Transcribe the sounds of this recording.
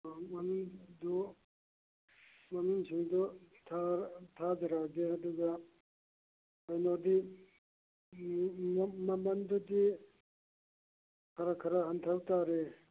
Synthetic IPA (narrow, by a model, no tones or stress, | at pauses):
mɐnuŋdɔ | mɐnuŋsiŋdɔtʰatʰadiɾaɡeɐduɡa | ajnodi | mɐmɐndudi | kʰaɾakʰɐɾaɦantʰawtaɾe